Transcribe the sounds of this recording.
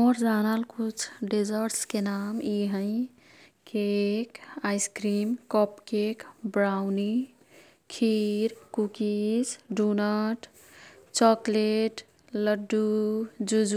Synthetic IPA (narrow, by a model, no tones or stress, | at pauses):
ɔɾd͡ʒanalkut͡ʃʰɖid͡ʒəɾʈskenamiɦə̃ɪ̃ | kekaɪskɾiːmkɔpkekbɾawni | kʰiɾkukisɖunəʈ | t͡ʃɔkleʈ | ləɖːud͡ʒud͡ʒ